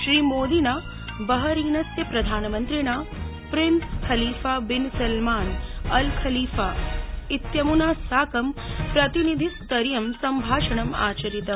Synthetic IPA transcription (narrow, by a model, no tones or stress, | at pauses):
ʃɾiːmoːd̪inaː | bɐɦɐɾiːnɐsjɐpɾɐd̪ʱaːnɐmɐnt̪ɾiɳaːpɾinskʰɐliːfaːbinsɐlmaːnɐlkʰɐliːfaːit̪jɐmunaːsaːkɐmpɾɐt̪inid̪ʱist̪ɐɾjɐmsɐmbʱaːʃɐɳɐma̰ːt͡ʃɐɾit̪ɐ